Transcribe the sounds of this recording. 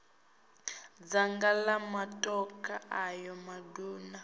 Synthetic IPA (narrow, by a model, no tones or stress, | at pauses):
d͡zaŋɡalamatʼɔkʰʼaʔajɔmaduːna